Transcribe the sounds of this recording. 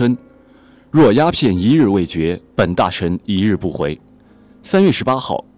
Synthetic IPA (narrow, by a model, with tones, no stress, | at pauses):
ə˥n | ɻwɔ˥˩ja˥pʰjɛ˥˩ni˧˥ɻɻ̩˥˧we˥˩ɪt͡ɕɥɛ˧˥pə˨˩nt̪a̰˥˩ʈ͡ʂʰə˧˥ni˧˥ɻɻ̩˥˧pu˥˩xwe˧˥ɪ | sa˥nɥɛ˥˩ʂɻ̩˧˥pa˥xɑ̰˥˩ʊ